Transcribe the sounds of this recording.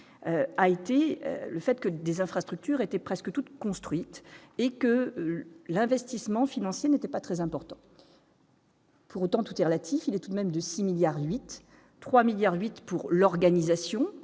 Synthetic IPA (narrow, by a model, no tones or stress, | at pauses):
øaet̪eø̰ləfɛt̪kəd̪ezɛ̃fχast̪χyk̚t̪yʁet̪ɛpχɛskət̪ut̪kɔ̃st̪χɥit̪ekə | lɛ̃vɛst̪ismɑ̃finɑ̃sjenet̪ɛpat̪χɛzɛ̃pɔʁt̪ɑ̃ | pʰuʁot̪ɑ̃t̪u̥t̪ɛʁəlat̪ʰifilɛt̪ud̪mɛmd̪əsimiljaʁɥit̪ː | χwamiljaʁɥit̪puʁlɔʁɡanizasjɔ̃